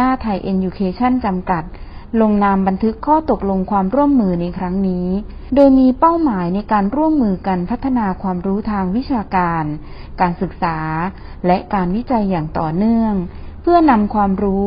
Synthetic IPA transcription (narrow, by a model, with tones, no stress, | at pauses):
aː˥˩t̪ʰa˧jʔeː˧njuː˧kʰeː˧t͡ɕʰa˥˩nt͡ɕa˧mka˨˩t̪̚lo˧ŋnaː˧mba˧nt̪ʰɯ˦˥kʰːɔː˥˩t̪o˨˩k̚lo˧ŋkʰwaː˧mɾu˥˩əmːɯː˧na˧jkʰɾa˦˥ŋniː˦˥ | doː˧jmiː˧pa˥˩wmaː˩˦jna˧jkaː˧nɾu˥˩əmːɯː˧ka˧npʰa˦˥t̪ʰːa˧naː˧kʰwaː˧mɾuː˦˥t̪ʰaː˧ŋwi˦˥t͡ɕʰaː˧kaː˧n | kaː˧nsɯ˨˩k̚saː˩˦ | lɛ˦˥ʔkaː˧nwi˦˥t͡ɕa˧jːaː˨˩ŋt̪ɔː˨˩nɯ˥˩əŋpʰɯ˥˩əna˧mkʰwaː˧mɾuː˦˥